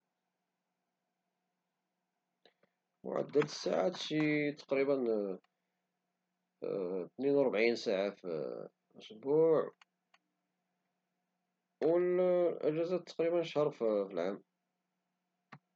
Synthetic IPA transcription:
mʊ̰ʕa̰d̪ːəd̪əsːa̰ʕat̪ʃit̪ɑ̥qɾibən | t̪ninwɾˤbʕinsaʕaf | ʔʊsbuʕ | wəlʔə̰ʒæzæt̪ːɑ̥qɾibənʃhɑɾˤffilʕam

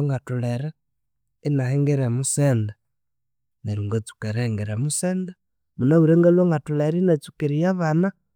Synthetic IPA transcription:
ŋɡatuleɾa | inaheŋɡeɾemusenda | neɾiŋɡot͡su̥keɾeŋɡeɾemuseːnda | munauɾeŋɡeloŋɡatuleɾinat͡sukiɾijaβana

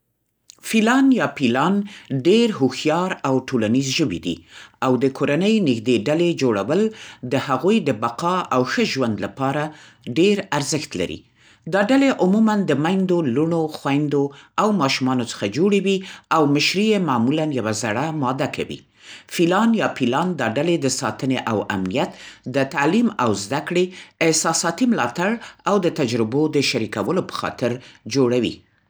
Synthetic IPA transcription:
filɑnjɑpilɑnɖeɾɦuxjɑɾawʈolanizʒəbḭd̪ḭawd̪əkʰoɾanəjnɪxd̪eɖaled͡ʒoɽawəld̪əhaɣujd̪əbaqɑawxəʒwand̪lapɑɾa | ɖeɾaɾzəxt̪la̰ɾḭ | d̪ɑɖaleʔʊmumand̪əmajnd̪oluɳ̃oxwajnd̪oawmɑʃumɑnot͡sə̥xad͡ʒoɽewiawmɪʃɾijemɑmulanjawazaɽamɑd̪aka̰wḭ | filɑnjɑfilɑnd̪ɑɖaled̪əsɑt̪əneʔawa̰mnijat̪d̪ət̪alimawzd̪akɽeːhsɑsɑt̪imlɑt̪aɽawd̪ət̪ad͡ʒɾɪbod̪əʃaɾikawəlopə̥xɑ̰t̪ɪɾd͡ʒoɽawḭ

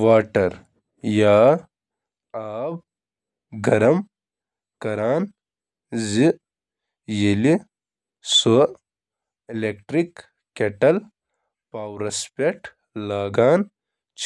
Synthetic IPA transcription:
ʋaːʈɐɾ | jaː | aːb̚ | ɡɐɾɐm | kɐɾaːn | zi | jeli | so | ilekʈɾikː | eʈɐl | paːwɾɐspeʈ | laːɡaːn | t͡ʃ

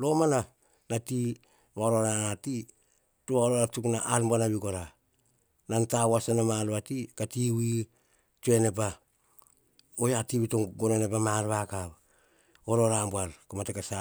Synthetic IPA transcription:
lo̞mana | nati | βaoɾoɾanati | tuaoɾoɾatuknaʔalmbuanaβiɡoɾa | nantawasanamalβatikatiwi | tue̞nep̬a | ojatiwitoŋɡononepamalβakaβ | oɾoɾambualkomatekasa

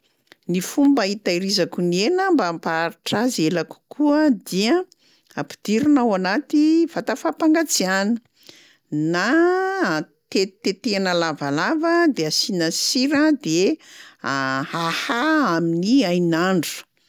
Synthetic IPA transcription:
nifumbəit̪aiɾizakunienəmbampaɾiʈ͡ʂazelaku̥kʰuəd̪iə | api̥d̪̥iɾunawanat̪iv̥at̪afapaŋɡat͡sianə̥ | na | t̪et̪et̪eanalavalavəd̪easinasiɾəd̪e | ahahaaminiajnaɳɖ͡ʐu̥

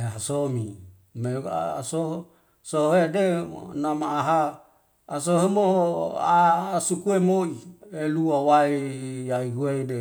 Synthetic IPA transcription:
ɦeɦasomi | mḛa̰soɦ | soɦedḛnamaːɦaː | soɦemoa̰sukuemoieluawaijaiɡuede

